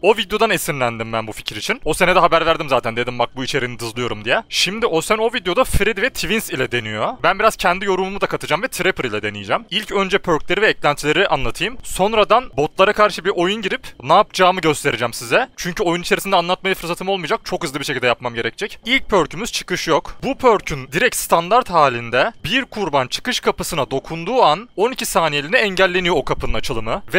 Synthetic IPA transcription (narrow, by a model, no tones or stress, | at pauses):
o̞vid̪jo̞d̪anesinlʲænd̪imbænbufi̥cʰiɾit͡ʃʰino̞senɛd̪ɛɦabæɾvæɾd̪imzaːt̪ʰænd̪e̞d̪imbak̚buit͡ʃʰe̞ɾinid̪ɯzlˠɯjo̞ɾumd̪ijɛʃimd̪iʔosæno̞vid̪ejo̞d̪afɾid̪vɛt̪ʰivinsilʲɛd̪e̞nijo̞bænbiɾaz̥cʰɛnd̪ijo̞ɾumumud̪akʰat̪ʰɯd͡ʒamvɛt̪ʰɾepʰɾilʲɛd̪e̞nijid͡ʒɛmilʲcø̞nd͡ʒɛpʰø̞ɾclʲe̞ɾivɛːclʲænt͡ʃ̪ʰlʲe̞ɾiʔanlˠat̪ʰɯjɯmso̞nɾad̪anbo̞t̪lˠaɾakʰaɾʃɯbiɾʔo̞junɟiɾipnaːpd͡ʒaːmɯɟø̞st̪ʰe̞ɾid͡ʒɛmsizɛt͡ʃʰyɲcʰyo̞junit͡ʃʰeɾisind̪ɛanlˠat̪̚majafɯɾs̬at̪ʰɯmo̞lˠmɯjd͡ʒak̚t͡ʃʰo̞khɯzlˠɯbiɾʃecʰilʲd̪ɛjap̚mamɟe̞ɾɛcd͡ʒɛcilʲc̚pʰø̞ɾcʰymyz̥t͡ʃʰɯ̥kɯʃjokbupʰø̞ɾcʰynd̪iɾɛc̪̚st̪ʰand̪aɾt̪haːlʲind̪ɛbiɾkʰuɾbant͡ʃʰɯ̥kɯʃkʰapɯsɯnad̪o̞kʰund̪uːano̞nicʰisaːnijelʲinɛɛɲɟælʲːe̞nijo̞okʰapʰɯnɯnat͡ʃʰɯlˠɯmɯvɛ